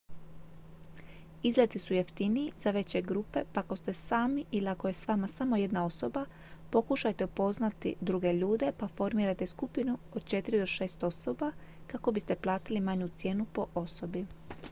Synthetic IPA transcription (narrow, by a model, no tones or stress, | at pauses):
izlet̪isujeft̪iniizaʋe̞t͡ɕe̞ɡɾuːpe̞pako̞st̪e̞saːmiʔiliako̞je̞sʋaːmasamo̞je̞d̪nao̞so̞ba | po̞kuʃajt̪e̞upo̞znat̪ḭd̪ɾuɡe̞ʎuːd̪e̞pafo̞ɾmiːɾajt̪e̞skupinuo̞d̪̥̚t͡ʃe̞t̪iɾid̪o̞ʃe̞ːst̪o̞so̞bakako̞bist̪e̞plˠaːt̪ilimaɲut̪sje̞ːnupo̞ʔoso̞bi